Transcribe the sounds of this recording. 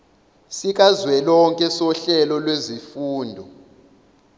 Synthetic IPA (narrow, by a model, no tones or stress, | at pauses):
sik̬ʼazwɛlɔŋkʼɛsɔɬɛlɔlwezifuːndʱɔ